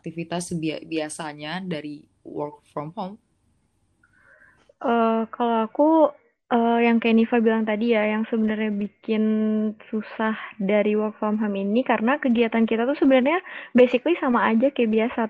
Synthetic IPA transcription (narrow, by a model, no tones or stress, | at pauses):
ak̚t̪ifit̪asbibiasaɲadaɾi | wɔk̚fɾɔmhom | ʔəːkalowaku | ʔəːjaŋkajanifabilaŋt̪adijajaŋsəbənərɲabikɪnsusahdaɾiwɔrk̚fɔmɦominikaɾənakəɡiat̪ankit̪at̪usəbənərɲabesiklisamaːd͡ʒakajabiasa